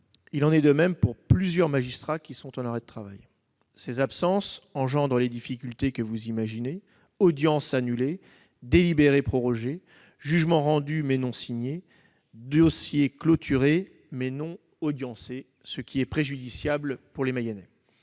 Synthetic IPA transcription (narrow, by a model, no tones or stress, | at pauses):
ilɑ̃nɛd̪əmɛmpuʁplyzjœʁmaʒist̪χakʲisɔ̃t̪ɑ̃laʁɛd̪ət̪χava̰j | sezapsɑ̃sɑ̃ʒɑ̃d̪ʁəled̪ifikʲylt̪ekəvuzimaʒine | ɔd̪jɑ̃sanyle | d̪elibeʁepχɔʁɔʒe | ʒyʒmɑ̃ʁɑ̃d̪ymɛnɔ̃siɲe | d̪ɔsjeklot̪ʰyʁe | mɛnɔ̃ | ɔd̪jɑ̃se | səkʲʰiɛpχeʒyd̪isjablpuʁlemajɛnɛ